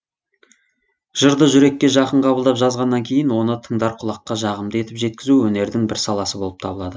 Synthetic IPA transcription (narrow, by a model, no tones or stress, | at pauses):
ʒ̥əɾd̪əʒʏɾe̞kʲːe̞ʒɑqəɴqʰɑbəlˠd̪ɑpʒɑzʁɑnːɑŋkʲʰe̞jɪnwo̞nət̪ʰəɴd̪ɑɾqʰʊlˠɑqːɑʒɑʁəmd̪əe̞t̪ɪpʒe̞t̪̚kʲɪzuwɵne̞ɾd̪ɪŋbɪɾsɑlˠɑsəbo̞lˠəp̚t̪ʰɑbəlˠɑd̪ə